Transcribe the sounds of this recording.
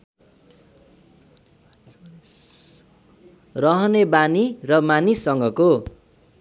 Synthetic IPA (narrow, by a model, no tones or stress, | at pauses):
rʌɦʌnebanirʌmanisːʌŋɡʌko